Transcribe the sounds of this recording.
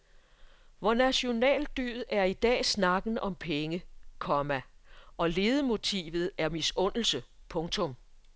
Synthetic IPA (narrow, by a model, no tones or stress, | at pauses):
ʋɒnæɕo̝nɛ̰ːld̥y̰ð̩ˠæɐid̥ɛ̰ːsnɑ̈ɡ̥n̩ɒ̽mpʰeŋəkʰɒ̽mæʔɒ̽le̝ːð̞ˠəmo̝t͡sʰḭːʋð̞̩ˠæɐmisɔ̽n̰l̩səpʰɔ̽ŋt͡sʰɔ̽m